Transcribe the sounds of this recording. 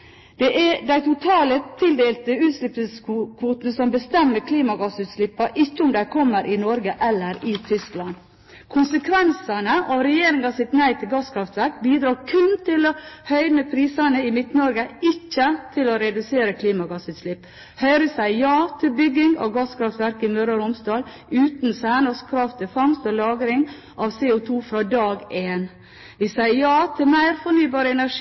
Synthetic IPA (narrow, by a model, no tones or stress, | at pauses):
d̪̥ɛʔɛd̪æɪt̪ʰʊt̪ʰɑːlət̪ʰɪld̪eːlt̪əʉːt̪sʂlɪp̪ɪskkʰʋuːt̪nəsɔmbəst̪ɛmːəɾkʰliːmɑɡɑsʉːt̪slɪpːɑʔɪçːəʊmd̪ækʰɔmːəɾʔɪnɔɾɡəʔɛlːəɾɪt̪ʰʏsklɑn | kʰʊnsəkʰʋɛnsɑnəʔɑʋɾɛjeːɾɪŋɑsɪt̪næɪt̪ʰɪlɡɑskʰɾɑft̪ʋɛkːbiːd̪ɾɑːɾkʰʉnt̪ʰɪlohœʏnəpʰɾiːsɑnəɪmɪt̪nɔɾɡəɪçːət̪ʰɪlɔɾɛd̪ʉseːɾəkʰliːmɑɡɑsʉːt̪slɪpː | hœʏɾəsæɪjɑːt̪ʰɪlbʏɡːɪŋɔ̰ɡɑskʰɾɑft̪ʋæɾkɪmøɾɑɾʊmsd̪ɑːl | ʉːt̪nsæːnəskʰɾɑft̪ʰɪfɑŋst̪ɔlɑːɡɾɪŋ | ʔɑʋseːʊt̪ʰuːfɾɑːd̪ɑːɡeːn | ʋɪsæɪəjɑːt̪ʰɪlmæɪɾfɔɳyːbɑːɾəɛnæʂ